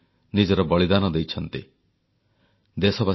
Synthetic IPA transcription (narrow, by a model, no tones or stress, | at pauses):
nid͡ʒɔɾɔbɔɭid̪anɔd̪ejt͡ʃʰɔnt̪i | d̪esɔba